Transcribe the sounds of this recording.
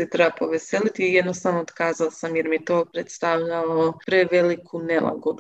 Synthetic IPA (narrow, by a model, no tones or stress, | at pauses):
sit̪ɾebapo̞ʋeselit̪ijed̪nost̪anoːt̪kaːzalsamjeɾmiet̪o̞ːpɾet̪st̪aʋʎaopɾeʋelikʰunelˠa̰ɡod̪u